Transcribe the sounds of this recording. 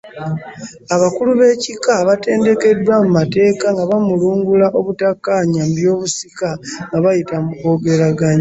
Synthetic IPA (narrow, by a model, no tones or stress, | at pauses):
aβakuluβe̞cikaβate̞ːnde̞ke̞dwamumate̞ːkaŋɡaβamuluːŋɡulaʔo̞βutakːaːɲambjo̞ːβusikaŋɡaβajitamuko̞ɡe̞ɾaɡaɲa